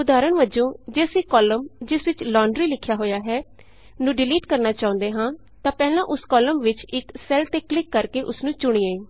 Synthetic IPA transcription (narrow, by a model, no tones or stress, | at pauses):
ʊd̪aːɾəɳʋəd͡ʒõːd͡ʒɪsiːkɔːləmd͡ʒɪsʋɪt͡ʃlɔ̃ːɳɖɾiːlɪkʰːjaːɦoːjaːɦɛː | nũːɖɪliːʈkəɾnaːt͡ʃaːʊ̃nd̪eːɦãː | t̪ãːpɛːlãːʔʊskɔːləmʋɪt͡ʃɪksɛlt̪eːklɪkːəɾkeːʔʊsnũːt͡ʃʊɽ̃ieː